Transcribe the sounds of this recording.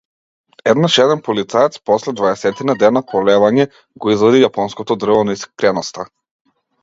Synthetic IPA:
ɛd̪naʃɛd̪ɛnpɔlit̪saɛt̪spɔslɛd̪vaɛsɛt̪inad̪ɛnapɔlɛvaɲɛ | ɡɔizvad̪ijapɔnskɔt̪ɔd̪r̩vɔnɔiskt̪ɾɛnɔst̪a

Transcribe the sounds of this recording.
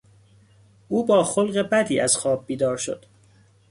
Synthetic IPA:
ʔuːbɒːxolɢe̞bæd̪iːʔæz̥xɒːb̚ːiːd̪ɒːɾʃo̰d̪̥

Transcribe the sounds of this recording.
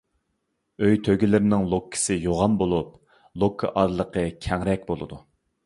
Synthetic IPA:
øjt̪ʰøɡʲilɪɾɪnɪŋlˠokʰːɪ̥sɪjoʁɑnbolˠup̚ | lˠokʰːə̰ʔɑɾlˠəqʰəkʲʰɛŋɾɛk̚ʲbolˠɨ̰d̪u

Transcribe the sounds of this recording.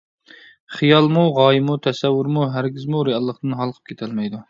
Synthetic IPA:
χijɑlˠmuʁɑːjimut̪ʰɛsɛwːuɾmuɦæɾɡʲizmuɾejɑlˠːəqd̪ɨnɦɑlˠqʰə̥p̚kʲʰe̥t̪ʰɛlmɛjd̪u

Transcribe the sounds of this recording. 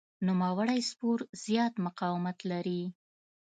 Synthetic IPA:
numawəɽajspoɾz̥jɑt̪mʊqɑwɪmat̪laɾi

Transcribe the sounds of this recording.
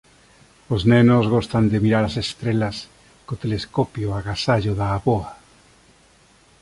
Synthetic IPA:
oznenozɣost̪and̪emiɾaɾasest̪ɾelas | kot̪eleskopjoaɣasaʎoðaːβoa

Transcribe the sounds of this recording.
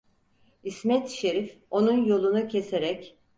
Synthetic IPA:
ismɛt̪ʃe̞ɾifo̞nunjo̞lˠunucʰe̞seɾɛc

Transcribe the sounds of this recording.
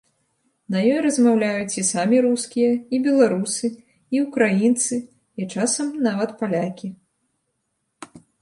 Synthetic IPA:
nɐjɔjɾɐzmawlʲajut͡sʲisamʲiɾuskʲijɐibʲɛlˠaɾusɨ | iukɾajint̪sɨ | it͡ʂasɐmnavɐt̪palʲakʲi

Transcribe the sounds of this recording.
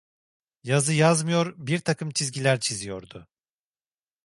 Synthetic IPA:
jazɯjazmɯjo̞ɾbiɾt̪ʰakʰɯmt͡ʃʰizɡɟilʲæɾt͡ʃʰizijo̞̰ɾd̪ʊ

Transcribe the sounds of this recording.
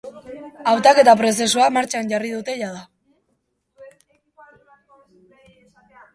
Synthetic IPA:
awt̪ake̞t̪apɾo̞s̬e̞suamaɾt͡ʃanʝarið̞ut̪e̞ʝaða

